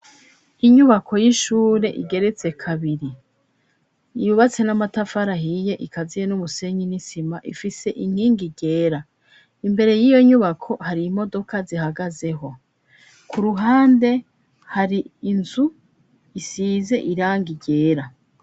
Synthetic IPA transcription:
iɲuβakʰo̞jiʃuːɾe̞ʔiɡe̞ɾe̞t͡se̞kʰaβiɾi | juβat͡se̞namatafaɾaɦije̞ʔikazijenumuse̞ɲinisimaʔḭfise̞ʔiŋ̥iːŋɡiɟe̞ːɾa | imbe̞ɾe̞jijo̞ɲuβakʰo̞haɾim̥o̞do̞kazihaɡaze̞ɦo | kʰuɾuɦaːnde̞ | haɾiːnzu | isiːze̞ʔiɾaːŋɡiɟe̞ːɾa

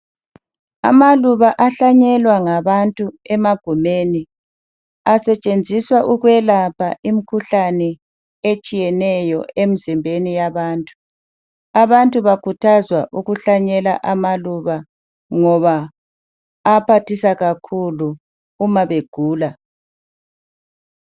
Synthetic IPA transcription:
a̰maluβaʔaɬaɲɛlwaŋaβantʼuɛmaɡ̥ʱumeni | asɛt͡ʃʼend͡zʱiswaʔuɣwɛlapʰaʔimikʰuɬanɛ | et͡ʃʼijɛnɛjɔemizimbʱenijaβaːntʼu | aβantʼuβakʰutʰazwaʔuɣuɬaɲɛlaʔamaluβa | ŋɔβa | pʰatʰisaɣakʰuluː | maβeɡ̥ʱuːla

